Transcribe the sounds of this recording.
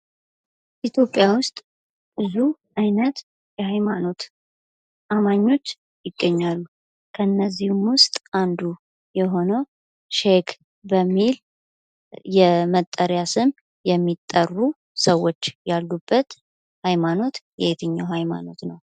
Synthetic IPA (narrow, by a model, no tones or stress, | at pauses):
ʔit̪ʰjo̞pʼːjawʊst̪ʼ | b̥ɨzuʔajnət̪ | jɛhajmano̞t̪ | ʔamaɲːo̞t͡ʃː | jɪɡːəɲːalːu | kʰəɨnːəzːihumwʊst̪ʼʔand̪u | jɛɦo̞nəw | ʃek | bəmːil | jɛmət̪ʼːəɾjasɨm | jɛmːit̪ʼːərːu | səwːo̞t͡ʃːjalːubːət̪ | hajmano̞t̪jɛet̪ʰɨɲːawɦajma̰no̞t̪nəw